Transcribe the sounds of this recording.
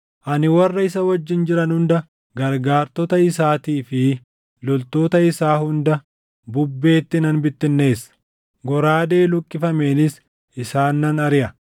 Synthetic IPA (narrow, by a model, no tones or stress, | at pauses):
ʔɐnɪwɐrːɐɪsɐwɐd͡ʒːɪnd͡ʒɪɾɐnhʊnd̪ɐ | ɡɐɾɡaːɾt̪ɔt̪ɐɪsaːt̪iːfɪ | lɔlt̪o̞ːt̪ɐɪsaːhʊnd̪ɐ | bʊbːe̞ːt̪ːɪnɐnbɪt̪ːɪnːe̞ːsːɐ̥ | ɡɔɾaːd̪e̞ːlʊkʼːɪfɐme̞ːnɪs | ʔɪsaːnːɐnɐɾɪʔɐ